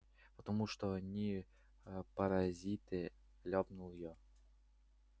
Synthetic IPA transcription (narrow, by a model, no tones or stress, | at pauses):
pət̪ɐmuʂt̪onʲi | pɐɾɐzʲit̪ɨ | lʲɑpnulˠjɔ